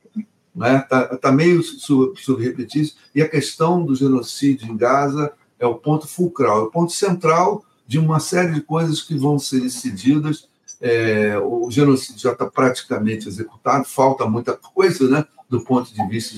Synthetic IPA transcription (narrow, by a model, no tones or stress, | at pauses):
nɛt̪at̪amejʊssubsubɾɪhepet͡ʃisʊ̥ | ɪɐkeʃt̪ɐ̃w̃d̪ʊʒenosid͡ʒjʊẽkazɐ | ɛʊpõnt̪ʊ̥fuwkɾawɛʊpõnt̪ʊ̥sẽnt̪ɾaw | d͡ʒɪũmɐsɛɾɪd͡ʒɪkojzɐskɪvɐ̃w̃seɾd̪esid͡ʒid̪ɐs | ɛʊʒenosid͡ʒʊʒat̪apɾat͡ʃi̥kɐmẽnt͡ʃɪezeku̥t̪ad̪ʊfawt̪ɐmũj̃t̪ɐkʰojzɐnɛd̪ʊpõnt̪ʊd͡ʒɪviʃt̪ɐ